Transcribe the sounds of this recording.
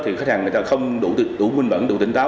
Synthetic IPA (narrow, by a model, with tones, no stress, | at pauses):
t̪ʰi˨˩xaː˦˥haː˨˩ŋ˨˩jt̪aː˧xə˧wŋ͡mɗṵ˧˩˦t̪ɨ˨˩ɗu˧˩˦mï˧ŋɓə̰˧˥nɗṵ˧˩˥t̪ï˨˦ŋ̟t̪aː˨˦˥